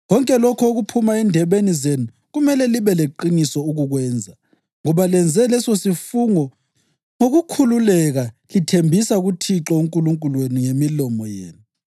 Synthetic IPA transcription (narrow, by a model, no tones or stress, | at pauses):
ɣɔŋkʼɛlɔkʰɔoɣupʰumaɛndʱɛβenizenu | ɣumɛlɛliβɛleǃinisɔuɣuɣwɛːnd͡zʱa | ŋɔβalɛnd͡zʱɛlɛsosifuŋɔ | ŋoɣukʰululɛɣalitʰembʱisaɣutʰiǁɔuŋkʼuluŋkʼulweniŋemilɔmɔjḛːnu